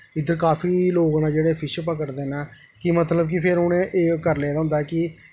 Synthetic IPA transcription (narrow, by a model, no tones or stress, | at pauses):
ɪd̪əɾkaːfʰiːloːɡnãːd͡ʒeːɽeːpʰɪʃpəkəɾd̪eːnaː | kɪmət̪ləbkɪpʰɪɾʊnẽːʔeːkəɾleːd̪aːɦʊ̃nd̪aɛːkɪ